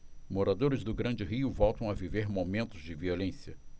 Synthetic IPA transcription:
moɾad̪oɾɪzd̪ʊɡɾɐ̃nd͡ʒɪɦiʊvɔwt̪ɐ̃w̃ɐviveɾmomẽnt̪ʊzd͡ʒɪviolẽsiɐ

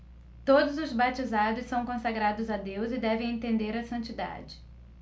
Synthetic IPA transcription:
t̪od̪ʊzʊzbat͡ʃizad̪ʊssɐ̃w̃kõsaɡɾad̪ʊzad̪ewzɪd̪ɛvẽj̃ẽnt̪ẽnd̪eɾɐsɐ̃nt͡ʃid̪a̰d͡ʒɪ

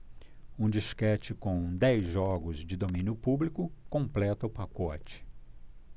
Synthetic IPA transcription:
ũd͡ʒiskɛt͡ʃɪkõw̃d̪ɛjzʒɔɡʊzd͡ʒɪd̪omĩnjʊpublikʊkõplɛt̪ɐʊpakɔt͡ʃɪ̥

